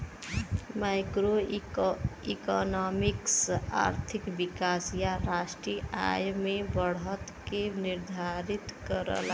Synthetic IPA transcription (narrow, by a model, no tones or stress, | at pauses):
maɪkɾo | ikɔnɔmiksa̰ɾt̪ʰikbikasjaɾasʈɾija̰jmebəɽɦət̪ | keniɾd̪ʱaɾit̪kəɾə̰l